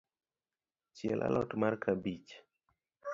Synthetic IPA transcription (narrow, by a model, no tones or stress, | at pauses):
t͡ʃjɛlʔa̰lɔtmarkʰabit͡ʃ